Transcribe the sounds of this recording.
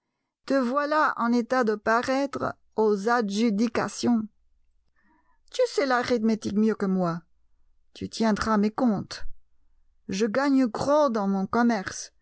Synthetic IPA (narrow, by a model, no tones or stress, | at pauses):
t̪əvwalaʔɑ̰̃net̪ad̪əpaʁɛt̪χ | ozaʒyd̪ika̰sjɔ̃ | t̪ysɛlaʁit̪met̪ikmjøkəmwa | t̪yt̪jɛ̃d̪ʁamekɔ̃t̪ | ʒəɡaɲɡʁod̪ɑ̃mɔ̃kɔmɛʁs